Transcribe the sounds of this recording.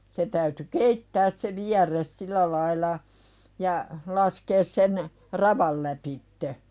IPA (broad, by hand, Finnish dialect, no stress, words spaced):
se tæyty keitːæːs se ʋiærˑes silæ lɑilɑ jɑ lɑskeːs sen rɑʋɑl læpitːe